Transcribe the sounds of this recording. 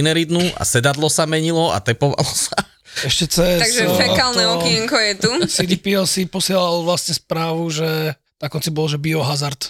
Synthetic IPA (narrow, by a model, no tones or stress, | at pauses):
nɛɾid̪nuʔa̰sɛd̪ad̪lɔsamɛɲilɔa̰t̪ɛpɔʋa̰lɔsa | ɛʃcɛt͡sɛt̪aɡʒfɛk̪alnɛɔkŋkɔjɛt̪usid̪ipiɛlsipɔsɪɛlalʋlasɲɛspɾaːʋuʒɛ | nakɔnt͡sibɔlʒɛbiɔɦazaɾt̪